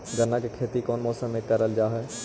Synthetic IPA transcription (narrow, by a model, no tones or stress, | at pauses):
ɡənːakekʰeːt̪ikɔːnmɔːsəmekːəɾəld͡ʒaːɦɛ